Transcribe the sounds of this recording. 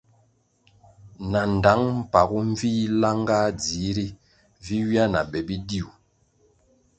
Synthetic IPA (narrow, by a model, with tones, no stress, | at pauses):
na˨n˨da˨˦ŋm̩˦˨pa˨ɡu˦ɱ˦vi˦la˦ŋɡa˦d͡zi˨˦ɾi˦ | vi˦wi˦a˦na̰˨bɛ˨bi˦di˦u˨